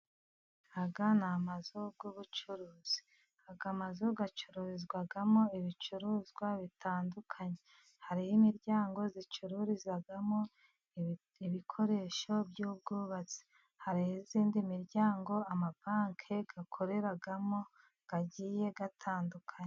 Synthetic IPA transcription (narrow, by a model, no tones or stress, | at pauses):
aɡanamazub̚ɡoβut͡ʃuɾuːz̥i̥ | aɡamazoɡat͡ʃuɾuɾizɡwaɡamo̞iβit͡ʃuɾuzɡwaβitʰaːndukʰaɲe | haɾihimiɾɟaːŋɡo̞zit͡ʃuɾuɾizaɡamo̞ | iβikʰo̞ɾe̞ːʃo̞bɟuːb̚ɡuːβat͡se̥ | haɾihiziːndimiɾɟaːŋɡo̞amabaːŋkʰe̞ɡ̥akʰo̞ɾe̞ɾaɡamo̞ | ɡ̥aɟiːje̞ɡatʰaːndukʰaɲe